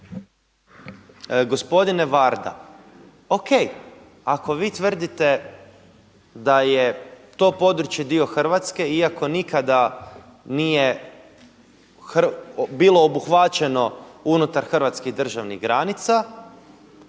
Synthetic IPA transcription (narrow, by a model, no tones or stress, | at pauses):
ɡo̞spo̞d̪ine̞ʋaɾd̪a̰ | o̞kej | ako̞ʋiːt̪ʋər̩d̪it̪e̞ | d̪ajet̪o̞ːpo̞d̪ɾut͡ʃje̞d̪io̞xr̩ʋat̪ske̞iako̞nikad̪a | nije̞ | xbiːlo̞ːbuxʋat͡ɕe̞no̞unut̪aɾxr̩ʋat̪skiɣd̪r̩ʒaʋnḭɣɡɾanit̪sa